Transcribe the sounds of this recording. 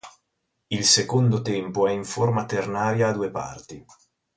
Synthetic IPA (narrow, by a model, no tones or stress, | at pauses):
ilsekond̪ot̪ɛmpoɛiɱformat̪ernaːɾjaːd̪uepa̰rt̪i